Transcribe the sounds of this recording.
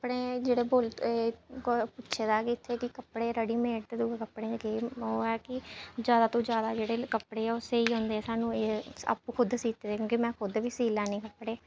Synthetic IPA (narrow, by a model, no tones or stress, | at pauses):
kəpːɽeːd͡ʒeːɽeːboːlt̪eːkːpʊtːʃʰeːd̪aːkɪɪt̪ʰːeːkɪkəpːɽeːɾəɽiːmeːʈt̪ed̪ukəpːɽeːɡeːoːɛːkɪd͡ʒjaːd̪aːt̪õːd͡ʒjaːd̪aːd͡ʒeːɽeːkəpɽeːɛːʊseːiːɦõːnd̪eːɛːsaːnũːeːa̰ːpːuːkʰʊd̪siːt̪eːd̪eːkjõːkimɛ̃ːkʰʊd̪ʋiːsiːlɛːnĩːkəpːɽeː